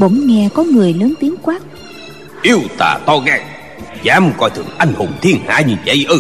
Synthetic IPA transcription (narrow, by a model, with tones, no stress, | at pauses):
ɓo̰˧˩ŋ͡mŋɛ˧˩kɔ˨˦ŋɨ˨˩əjləː˨˦nt̪i˨˦ənkwaː˦˥k̚ | ʔi˧əwt̪a̰ː˧˩t̪ɔ˧ɣaː˧˩ŋ | zaː˨˦m˨˩kɔ̰˧˩jt̪ʰɨ̰˧˩əŋʔa˧jŋ̟ho˨˩ŋ͡mt̪ʰi˧ənha̰ː˧˥ɲi˨˩nzə̰˧˦jʔə˧˩